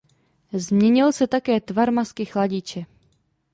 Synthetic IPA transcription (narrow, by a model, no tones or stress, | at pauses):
zmɲɛɲɪlsɛt̪akɛːt̪vaɾmaskɪxlaɟit͡ʃɛ